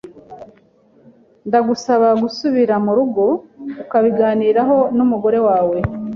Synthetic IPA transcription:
ndaɡusaβaɡusuβiɾamuɾuɡo̞ukaβiɡaːniːɾaɦo̞numuɡo̞ɾe̞waːwe̞

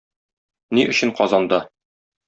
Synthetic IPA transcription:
niʔɵ̆ɕɘ̆ɴqɒzɑnd̪ɤ

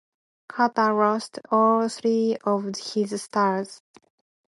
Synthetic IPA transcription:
kʰat̪aɹɔstɔlθɹiɔvhɪzstaɹz̥

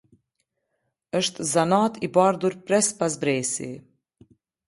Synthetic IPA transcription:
əʃt̪zanaːt̪ibaɾd̪uɾpɾɛspas̬bɾɛːsḭ

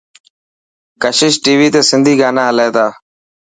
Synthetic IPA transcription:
kəʃɪʃʈiːʋiːt̪eːsɪnd̪ʱiːɡaːnãːɦəleːd̪aː

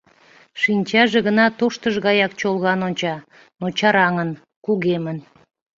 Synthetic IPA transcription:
ʃinʲt͡ɕɑʒeɣənɑt̪oʃt̪əʒɣɑjɑkt͡ɕolɣɑnonʲt͡ɕɑ | not͡ɕɑɾɑŋən | kuɣemən

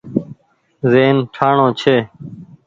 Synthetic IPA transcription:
zeːnʈʰaːɳõːt͡ʃʰeː

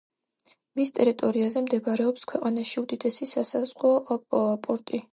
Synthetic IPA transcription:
mist̪ʼɛɾit̪ʼɔɾiazɛmd̪ɛbaɾɛɔpskʰwɛqʼanaʃiud̪id̪ɛsisasazʁɔpɔpʼɔɾt̪ʼi

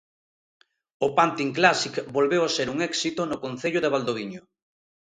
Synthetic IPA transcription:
ʊpant̪iŋklasikbolβewaseɾuŋɛksit̪ʊnʊkon̟θeʎʊðeβald̪oβiɲo

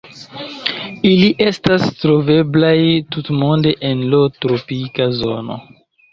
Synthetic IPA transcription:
iliʔe̞stastɾo̞ve̞blajtutmonde̞ʔenlotɾopikazo̞no̰

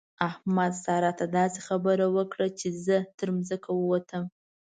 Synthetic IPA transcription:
ahmad̪sɑɾat̪ʰad̪ɑsi̥χabəɾawəkɽat͡ʃʰezət̪ʰəɾmzəkʰawəwat̪ʰəm

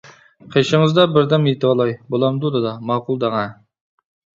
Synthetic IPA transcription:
qʰəjʃəɴəzd̪ɑbɪɾd̪ɑmjet̪ɪbɑlˠɑjbolˠɑmd̪ud̪ɨd̪ɑmɑqulˠd̪ɑŋɑ

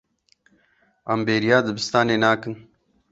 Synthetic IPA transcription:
ɐmbeːɾijaːd̪əbist̪aːneːnaːkən

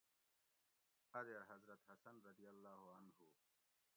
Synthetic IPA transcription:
ɐɾɐɾɦɐzɾɐt̪hɐsɐnɾɐd̪ijɐlːaːɦuɐnɦu

